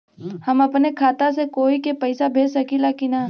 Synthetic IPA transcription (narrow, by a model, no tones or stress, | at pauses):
hɐmɐpnekʰaːt̪asekoːikepɐɪsabʱeːsɐkilakina